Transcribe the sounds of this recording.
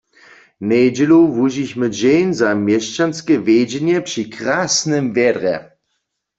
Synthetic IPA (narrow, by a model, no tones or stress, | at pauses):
nɛjd͡ʑɛluvuʑiçməd͡ʑejnzamjɛʃt͡ʃanskɛvjed͡ʑɛnɛpʂikʁaːsnɛmvjɛdʁɛ̰